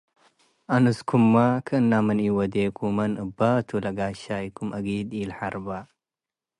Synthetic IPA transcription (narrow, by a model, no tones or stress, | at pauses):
ʔanɨskʰumːakʰɨɨnːamɨniwɔd̪ekʰumɐnʔɨbːat̪ʰulɐɡaʃajkʰumʔɐɡid̪ilħaɾba